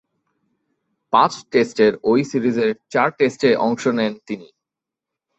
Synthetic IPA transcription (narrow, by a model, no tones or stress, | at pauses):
pãt͡ɕʈesʈeɾojsiɾid͡ʑeɾt͡ɕaɾʈesʈeʔɔŋʃonɛnt̪ini